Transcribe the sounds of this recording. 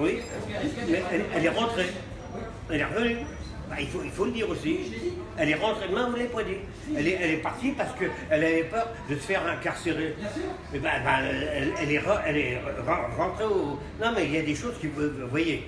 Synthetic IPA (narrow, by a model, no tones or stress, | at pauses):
wi | mɛɛɛlɛʁɑ̃t̪χe | ɛlɛʁəvəny | bailfoilfoləd̪iʁosi | ɛlɛʁɑ̃t̪χed̪əmɛ̃uɛlɛpwɛd̪i | ɛlɛɛlɛpaʁt̪ipaʁsə̥kəɛlavɛpœʁd̪əsə̥fɛʁɛ̃kaʁseʁemɛbabaøɛlɛlɛʁəɛlɛəʁɑ̃ʁɑ̃t̪χeo | nɔ̃mɛiljad̪eʃozkʲivøvwaje